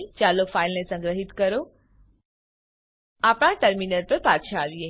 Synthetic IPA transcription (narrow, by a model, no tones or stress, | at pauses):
t͡ʃalokfailnesə̃ŋɡɾəɦit̪kəɾo | apɽ̃aʈəɾminəɾpəɾpaʃʰaːʋije